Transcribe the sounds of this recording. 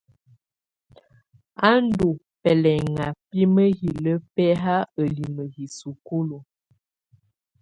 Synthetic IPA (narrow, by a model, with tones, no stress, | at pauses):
a˦n˦du˨ | pɛ˨lɛ˨ŋa˨pi˦mə˦hi˨lə˦pɛ˦ɦa˦ə˨li˨mə˨ɦi˨su˨ku˦lo˨